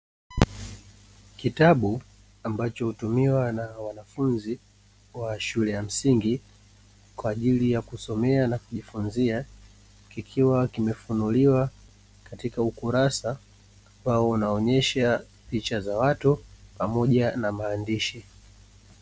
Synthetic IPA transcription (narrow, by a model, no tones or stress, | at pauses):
kitaɓu | ambat͡ʃɔhutumiwanawanafunzi | waʃulɛjam̩siŋɡi | kwaːʄilijakusɔmɛanakuʄifunzia | kikʰiwakimɛfunuliwa | katikaukuɾasaː | mbaɔunaɔɲɛʃa | pit͡ʃazawatupamɔʄanamaːndiʃi